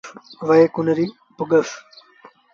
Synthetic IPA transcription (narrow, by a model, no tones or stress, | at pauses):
ʋɐekunɐɾi | puɡɐf